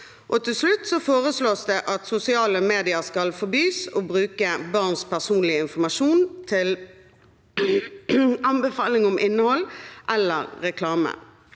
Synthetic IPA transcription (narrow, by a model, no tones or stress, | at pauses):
ʔɔt̪ʰɪlslʉt̪ːsɔfoːʁəsloːsd̪ɛʔɑt̪sʊsɪɑːləmeːd̪ɪəʁskɑlfɔbyːsɔbʁʉːkəbɑʁnspʰæʁsuːnlɪəɪnfɔmɑʂuːnt̪ʰɪl | ɑmbəfɑːlɪŋɔmʔɪnːəhɔlːʔɛlːə̰ɾːɛkʰlɑːmə̰